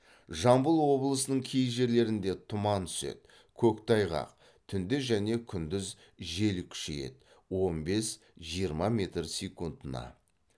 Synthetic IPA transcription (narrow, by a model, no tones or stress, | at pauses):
ʒɑmbəlˠwo̞bəlˠəsənəɴkʲʰejʒe̞ɾle̞ɾɪnd̪e̞t̪ʰʊmɑnt̪ʰʏ̥se̞̰t̪̚ | kʲʰɵkt̪ʰɑjʁɑ̰q̚ | t̪ʰʏnd̪ɪʒæne̞kʲʰʏnd̪ɪz | ʒe̞lkʲʰʏ̥ʃḛje̞̰t̪ | wo̞nbe̞s | ʒijəɾmɑmʲe̞t̪rsʲekund̪ənɑ̰